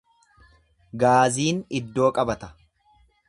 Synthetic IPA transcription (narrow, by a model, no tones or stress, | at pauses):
ɡaːziːnɪd̪ːo̞ːkʼɐbɐt̪ɐ̥